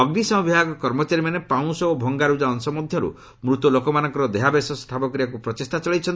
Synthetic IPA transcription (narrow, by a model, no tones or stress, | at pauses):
ɔɡnisɔ̃ɦɔbʱibaɡɔkɔɾmɔt͡ʃaɾimanepaw̃sɔobʱɔŋɡaɾud͡ʒaɔnsɔmɔd̪ʱjɔɾṵ | mɾut̪ulokɔmanɔ̃ŋkɔɾɔd̪eɦabesɔst̪ʰapɔk̬ɾijakupɾɔt̪est̪at͡ʃɔɭejt͡ʃʰɔn